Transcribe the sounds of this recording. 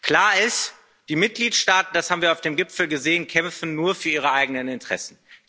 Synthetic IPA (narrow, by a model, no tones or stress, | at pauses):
kl̥aːɐɪst | d̥iːmɪt̚ɡ̥liːtʃtaːtn̩d̥ashaːbm̩viːɐaʊfd̥eːmɡɪpfl̩ɡəzeːənkʰɛmfn̩ːuːɐfyːɐʔiːʁəʔaɪɡənənɪntʁ̥ɛ̰sn̩